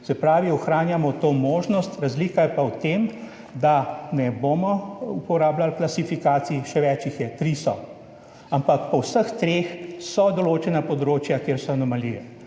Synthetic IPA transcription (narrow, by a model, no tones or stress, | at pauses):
sɛpɾaːʋiɔxɾaːnjamɔt̪oːmoːʒnɔst̪ɾazliːkajɛpawt̪em | d̪anɛboːmɔupɔɾaːblalklasifikaːt̪siiʃɛʋɛːt͡ʃixjɛt̪ɾisɔ | ampakpɔwsəxt̪ɾexsɔd̪ɔloːt͡ʃɛnapɔd̪ɾoːt͡ʃjakeːɾsɔanɔmalḭʋɛ